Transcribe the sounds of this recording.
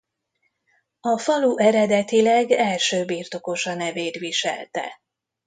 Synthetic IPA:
ɒfɒluʔɛɾɛd̪ɛt̪ilɛɡɛlʃøːbiːrt̪o̞ko̞ʃɒnɛveːt̪ʋiʃɛ̰lt̪ɛ̰

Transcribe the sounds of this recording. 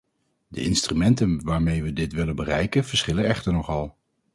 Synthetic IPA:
də̰ʔɪnstrymɛntənʋaːɹmejʋədɪtʋɪlənbərɛjkənv̥əɹsχɪlənɛχtəɹnɔχɑlˠ

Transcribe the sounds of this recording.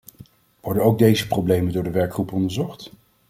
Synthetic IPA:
ʋɔɹdənowɡ̚dejzəprowblejməndʊːɹdəʋɛɹkχrupɔndəɹzɔχt

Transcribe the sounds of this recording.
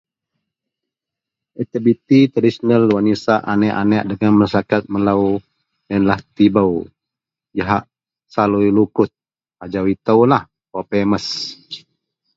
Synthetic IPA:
ʔɛt̪əbit̪it̪adisənəlwanisaʔanɛʔanɛʔdəɡanməsakat̪̚məlaw | jənlaht̪ibaw | jaɦaʔ | saluilukʊt̪̚ | ad͡ʒawit̪əwlah | popeməs

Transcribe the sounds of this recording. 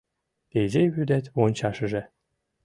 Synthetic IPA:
t̪ejzejβyd̪æt̪ʲwont͡ɕɑʃɤ̆ʒĕ

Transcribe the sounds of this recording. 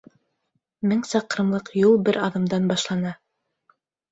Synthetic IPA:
mɘŋsɑqɤ̆ɾɤ̆mlˠɤqjulˠbɘɾɑðɤ̆md̪ɑnbɑʃlˠɑnɑ

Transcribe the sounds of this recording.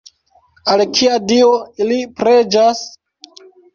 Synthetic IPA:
alkʰiadioilipɾe̞d͡ʒas

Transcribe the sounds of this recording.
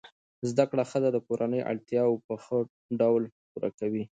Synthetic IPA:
zd̪akɽaxəd̪ad̪əkoɾanəjʔa̰ɽt̪jɑwpəxə | ɖawlpuɾa̰kawi

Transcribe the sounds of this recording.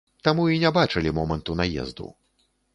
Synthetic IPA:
t̪amuinʲɛbat͡ʂɨlʲimɔmɐnt̪unajɛ̰zd̪ṵ

